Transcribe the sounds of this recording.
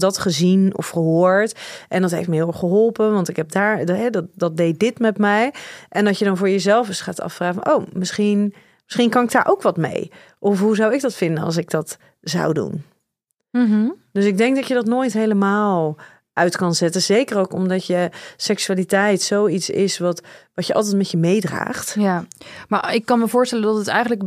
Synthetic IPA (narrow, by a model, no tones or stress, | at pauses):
dɑtχəzinɔ̰fχəɦoːɹtʔɛndɑtɦḛjftməɦɪlˠɛχχəɦɔlˠpənʋɑntɪkɦɛp̚daːɹɦɛdtdɑt̚dejt̚dɪtmɛtmɛjʔɛnɑsjədɑnvʊːɹjəzɛlˠfəsχa̰ːtɑ̰fraːəfnʔowmɪsχin | mɪsχinkɑnɪk̚daːɹʔowkʋɑtmḛj | ʔɔfɦuzawɪk̚dɑtfɪndənɑ̰lˠs̬ɪɡ̚dɑt | za̰wdṵn | døsɪɡ̚dɛŋk̚dɑtjədɑtnoːjtɦejləmaːlˠ | ʔœɥtkɑnzɛtəzejkərowkɔmdɑtjəsɛksyaːlitɛjtsowitsɪ̰sʋɑtʋɑtjəʔɑ̰lˠt̬ɛtmɛtjəmejdra̰ːχtjamaɪkːɑnməvʊːɹstɛləndɑtətɛ̰jχənlək